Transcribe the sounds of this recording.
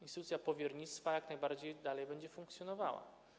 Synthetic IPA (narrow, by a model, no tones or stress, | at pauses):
inst̪ɘt̪ut̪sʲjapɔvʲjɛɾɲit̪st̪fajaknajbaɾd͡ʑejd̪alɛjbɛɲd͡ʑɛfuŋkt̪sʲjɔnɔvawa̰